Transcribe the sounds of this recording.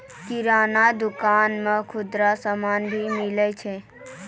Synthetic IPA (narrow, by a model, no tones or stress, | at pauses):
kiɾanad̪ukanmekʰʊd̪ɾasəmanbʱimilɛt͡ʃʰɛ